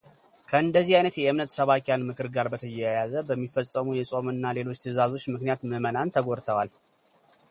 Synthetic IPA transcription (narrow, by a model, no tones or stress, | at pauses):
kʰəɨnd̪əzːihajnət̪jɛɨmnət̪səβakjanmɨkʰɨɾɡaɾbət̪ʰəjɛjjazəbəmːifəsʼːəmujɛsʼo̞mɨnːale̞lo̞t͡ʃːt̪ʰɨzazo̞t͡ʃːmɨknijat̪məmənant̪ʰəɡo̞ɾt̪ʰəwal